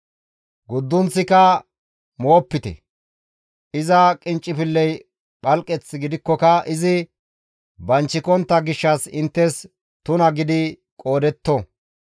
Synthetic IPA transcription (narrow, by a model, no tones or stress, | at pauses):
ɡʊd̪ːʊnsɪkɐ | moːpːɪt̪ɛ̰ | ʔɪzɐkʼɪnt͡ʃʼːɪpɪlːɛj | ɓɐlkʼːɛt͡sːɪɡɪd̪ɪkːɔkɐʔɪzɪ | bɐnt͡ʃːɪkɔnt̪ːɐɡɪʃːɐsɪnt̪ːɛs | t̪ʊnɐɡɪd̪ɪ | kʼo̞ːd̪ɛt̪ːɔ